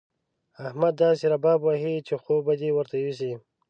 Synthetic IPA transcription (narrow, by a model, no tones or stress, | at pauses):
ahmad̪ːɑseɾabɑːbwaɦit͡ʃexobad̪iwəɾt̪awis̬i